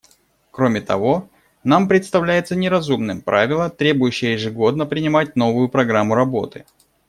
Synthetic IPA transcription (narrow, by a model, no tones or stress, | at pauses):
kɾo̞mʲɪt̪ɐ̰vo̞ | nampɾʲɪt̪st̪ɐvlʲæjɪt̪sənʲɪɾɐzumnɨmpɾavʲɪlˠət̪ɾʲe̞bʊjʉɕːɪjəjɪʐɨɡo̞d̪nəpɾʲɪnʲɪmat̚ʲno̞vʊjʊpɾɐɡɾamːʊɾɐbo̞̰t̪ɨ̥